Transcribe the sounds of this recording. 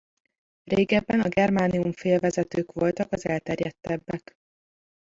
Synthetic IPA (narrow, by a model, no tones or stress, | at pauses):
reːɡɛbːɛnɒɡɛrmaːniuɱfeːlvɛzɛt̪øːkʋo̞lt̪ɒkɒzɛlt̪ɛrjɛt̪ːɛbːɛk